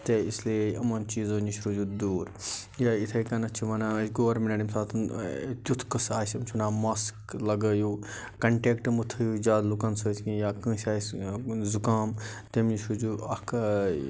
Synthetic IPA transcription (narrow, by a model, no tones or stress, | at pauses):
t̪eislieɐmɐnt͡ʃiːzoniʃɾud͡ʒud̪uːɾjait̪ʰɐkɐnɐt͡ʃʰiʋɐnasʲɡoːɾmeneɖimsaːt̪ʰnt̪ʲut̪ʰkɐsaːsʲɐmt͡ʃʰunaːmɐsklɐɡɐju | kɐɳʈeːkʈmut̪ʰɐjud͡ʒaːd̪lukɐnsɐːsʰkĩjaːkə̃ːsʲaːszukaːmt̪emniʃɾud͡ʒuɐk